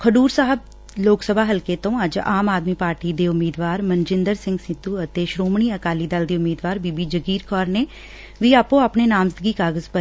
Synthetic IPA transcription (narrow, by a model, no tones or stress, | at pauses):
kʰəɖuːɾsaːɦəb | loːksəbʱaːɦəlkeːt̪õːəd͡ʒaːmaːd̪miːpaːɾʈiːd̪eːʊmːiːd̪ʋaːɾmənd͡ʒɪ̃nd̪əɾsɪ̃ŋɡsɪt̪uːət̪eːʃɾoːmɳ̃iːəkaːliːd̪əld̪iːʊmːiːd̪ʋaːɾbiːbiːd͡ʒəɡiːɾkʰɔːɾneː | ʋiːaːpõːaːpɳeːnaːmzd̪ɡiːkaːɡəzpə